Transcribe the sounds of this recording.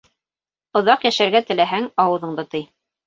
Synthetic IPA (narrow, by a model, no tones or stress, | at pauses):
ŏðɑqjæʃæɾɡæt̪ɘ̆læɦæŋɑwɤ̆ðɤ̆ɴd̪ɤt̪ij